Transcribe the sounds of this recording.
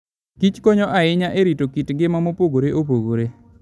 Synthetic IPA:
kit͡ʃkɔɲɔʔaɪɲaʔeɾitokitɡɪmamopoɡoɾeʔop̬oɡoɾe

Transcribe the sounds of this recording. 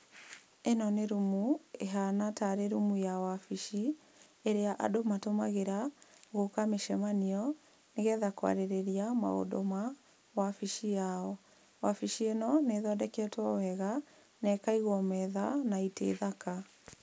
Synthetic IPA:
enɔneɾumueɦanataɾeɾumujawafiʃi | eɾeaʔa̰domatomaɣeɾaɣokameʃɛmaniɔ | neɣɛðakwa̰ɾeɾeɾiama̰o̰do̰ma | wafiʃijaɔ | wafiʃienɔneðɔdɛkɛtwawɛɣa | nɛkaiɣwɔmɛðanaitḛːðaka

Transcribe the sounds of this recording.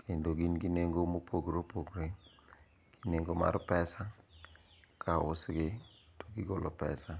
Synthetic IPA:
kʰendoɡinɡineŋɡomopʰoɡɾopoɡɾe | ɡ̥i̥neŋɡoma̰ɾpɛsa | kʰaʊsɡɪ | toɡɪɡɔlɔpɛsa

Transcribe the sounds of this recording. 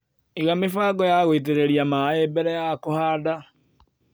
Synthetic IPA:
eɣamefaːɡɔjaɣoit̬eɾeɾiamaebɛɾɛjakohaːda

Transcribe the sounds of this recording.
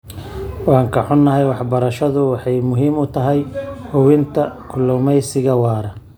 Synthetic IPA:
wɑːŋkʰɐħʊnːɐɦɛjwɑħbɐɾɐʃɐðʊwɑħɑjmʊɦiːmʊt̪ʰɐɦɛjhʊwɪnt̪ʰɐkʰʊlɔmɛjsɪɣɐwɑːɾɐ

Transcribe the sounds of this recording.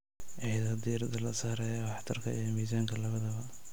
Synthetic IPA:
ʕɛjðɐd̪iːɾɐd̪ɐlɐsaːɾɛjɐwɑħt̪ʰɐrkʰɐ̰ijɔmiːsaːŋkʰɐlɐβɐðɐβɐ

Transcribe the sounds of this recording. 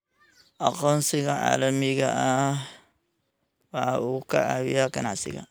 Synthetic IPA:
ʔɐqɔːnsɪɣɐʕa̰ːlɐmɪɣɐʔɐ | wɑħɑʔuːkʰɐ̰ʔaːwɪjaɡɐnɑʕsɪ̰ɣɐ̰

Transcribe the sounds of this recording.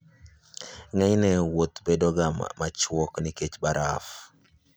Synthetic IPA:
ŋɛɲnɛwot̪bedoɡam̰mat͡ʃwɔknɪket͡ʃbaɾʔaf

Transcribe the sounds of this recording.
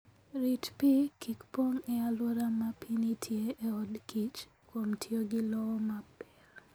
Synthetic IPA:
ɾitpikikpoŋɛaloɾamapinitʰjeʔːɔdkit͡ʃ | kwomtʰjoɡɪlɔɔmapɛr

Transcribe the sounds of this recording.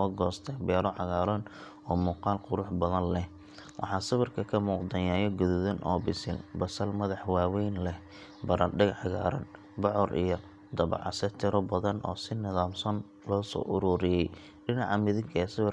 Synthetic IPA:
ɔɡɔːst̪ʰɛbɛːɾɔʕɑɣaːɾɔːn | ɔːmuːqɑːlqʊɾʊħbɐðɐnlɛh | wʔɑ̰ħɑsɪβɪrkʰɐkʰɐmuːqd̪ɐjaːjɔɡʊðʊðɐnʔɔ̰ːbɪsɪ̰lbɐsɐlmɐðɑħwaːwɛjnlɛh | bɐɾɐɖɪɣɑħɣa̰ːɾɐ̰n | bɔʕɔɾʔḭjɔ | d̪ɐβɑ̰ʕɑsɐt̪ʰɪɾɔbɐðɐnʔɔ̰ːsɪnɪðaːmsɔn | lɔːsɔ̰ːʔʊɾuːɾɪjɛj | ɖɪnɑʕɑmɪðɪŋkʰɐɛːsɪβɪr

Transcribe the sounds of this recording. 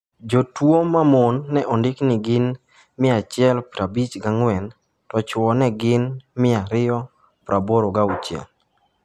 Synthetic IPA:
d͡ʒotwomamɔnːɛʔɔndɪknɪɡɪn | mɪat͡ʃɪɛlpɾabit͡ʃɡaŋwɛn | tɔt͡ʃwɔnɛɡɪnmɪaɾɪjɔ | pɾʔaboɾoɡaut͡ʃjɛ̰l

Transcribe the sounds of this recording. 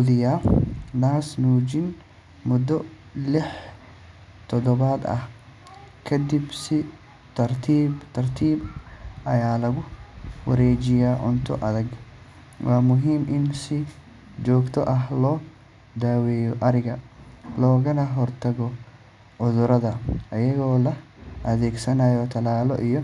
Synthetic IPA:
ʊðɪjaːnaːsnuːd͡ʒɪn | mʊd̪ɔ | lɪħ | t̪ʰɔd̪ɔβaːd̪ɐ̰h | kʰɐd̪ibsɪ | t̪ʰɐrt̪ʰiːbt̪ʰɐrt̪ʰiːbɐjaːlɐɣʊwɐ̰ɾɛːt͡ʃɪjaːʕʊnt̪ʰɔ̰ʔɐðɐɡ | wʔɑːmʊɦiːmʔɪnsɪ | d͡ʒɔːɡt̪ʰɔʔɐɦlɔː | d̪aːwɛːjɔʔɐɾɪɣɐlɔːɣɐnɐɦɔrt̪ʰɐɣɔ | ʕʊðʊɾɐðɐʔɐjɐɣɔːlɐ | ʔɐðɛːɡsɐnajɔt̪ʰɐlaːlɔ̰ʔijɔ

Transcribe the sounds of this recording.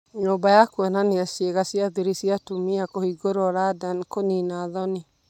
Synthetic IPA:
ɲoːbajakwananeasjeɣasiaðeɾisiatumiakohiɡoɾoɔɾadankoninaːðɔni

